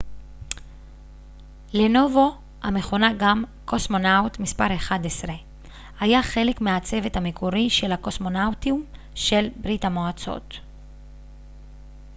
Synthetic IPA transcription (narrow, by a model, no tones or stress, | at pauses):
le̞no̞vo | ha̰me̞χo̞naɡamko̞smo̞nawtmispaʁe̞χad̪esʁe | hajaχe̞le̞kmeat͡se̞ve̞thamekʰoʁiʃe̞lako̞smo̞nawtium | ʃe̞lbʁithamoat͡so̞̰t